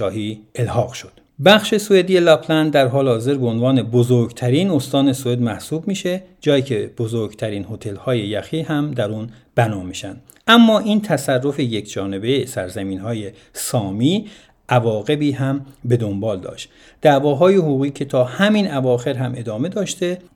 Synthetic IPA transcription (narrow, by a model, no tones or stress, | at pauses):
ɒːɦiːelhɒːɣʃod̪̥ | bæχʃe̞soed̪ijelɒpʰlænd̪d̪æɾɦɒːlehɒːze̞ɾbeonvɒːne̞bozoɾɡt̪ʰæɾiːnost̪ɒːne̞soe̞d̪mæhsuːbmiːʃed͡ʒɒːjiːcʰe̞b̥ozoɾɡt̪ʰæɾiːnho̞t̪ʰe̞lhɒːje̞jæxiːhæmd̪æɾuːn | b̥ænɒːmiːʃæ̰nd̪̥ | ʔæmːɒːʔiːnt̪ʰæsærːo̞fejecʰd͡ʒɒːne̞bejesæ̰ɾzæmiːnhɒːje | sɒːmiː | ʔævɒːɣe̞biːɦæmbe̞d̪o̞mbɒːld̪ɒ̰ːʃt̪ | d̪̥æːvɒːɦɒːjehuːɣiːcʰe̞t̪ʰɒːhæmiːnævɒːxe̞ɾɦæmʔe̞d̪ɒːme̞d̪ɒːʃt̪e